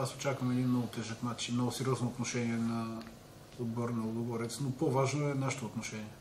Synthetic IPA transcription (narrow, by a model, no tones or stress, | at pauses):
aso̥t͡ʃakvɐmɛd̪inmnɔɡʊt̪ɛʒəknat͡ʃinmnɔɡʊsɛɾʲiɔznoot̪noʃɛniɛna | ɔd̪boɾnɐod̪ˠɡovoɾɛt̪snopovaʒnoɛnaʃɛ̥t̪oot̪noʃɛniɛ